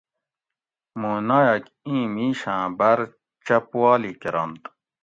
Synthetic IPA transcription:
muːnajɐk | ĩːmiːɕãːbɐɾ | t͡ɕɐpwaːlikiɾɐnt̪

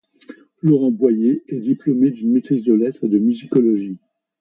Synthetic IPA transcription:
lɔʁɑ̃bwajeɛd̪iplɔmed̪ynmet̪χizd̪əlɛt̪χed̪əmyzikɔlɔʒi

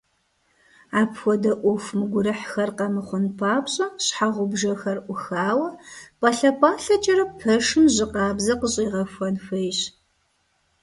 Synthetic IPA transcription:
aːpʰxʷɔdɐʔʷʊfmɨɡʷʊɾɨħxɐrqɐmɨχʷʊnpʰaːpɕʼɐɕħaʁʷʊbʒɐxɐrʔʷʊxaːwɐpʼɐɬɐpʰʼaːɬɐt͡ʃʼɐɾɐpʰɐʂɨmʑɪqɑːbzɐqəɕʼiːʁɐfʷɔnxʷɐjɕ

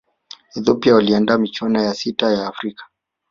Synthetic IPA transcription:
ɛðɔpiawaliandaːmit͡ʃwanajasitajaːfɾikḁ

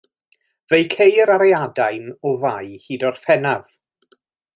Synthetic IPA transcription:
vejkʰejəɾaɾɛadajnɔvajhiːdɔrfɛnav̥

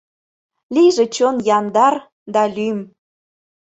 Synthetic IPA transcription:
liʒĕt͡ɕonjɑnd̪ɑr | d̪ɑlʲym

